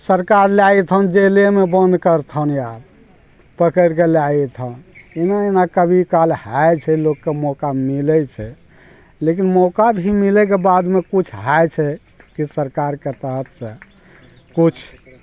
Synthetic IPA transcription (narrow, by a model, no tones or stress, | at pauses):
səɾkaɾljait̪ʰənd͡ʒelemebənd̪kəɾt̪ʰənjab | pəkəɾkeljait̪ʰənenaenakəbʱikalhajt͡ʃʰɛlokːemɔkamilɛt͡ʃʰɛ | lekinmɔkabʱimilɛkebad̪mekut͡ʃʰɦajt͡ʃʰɛ | kisəɾkaɾket̪əɦət̪sẽ | kut͡ʃʰ